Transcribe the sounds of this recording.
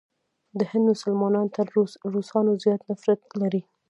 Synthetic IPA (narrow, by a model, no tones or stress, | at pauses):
d̪əhɪ̃nd̪mʊsalmɑnɑnt̪aːusɑnozjɑt̪nafɾat̪laɾi